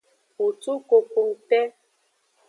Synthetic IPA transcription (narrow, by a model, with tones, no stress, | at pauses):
o˨tu˦ko˨ko˨ŋ̩˨tɛ˦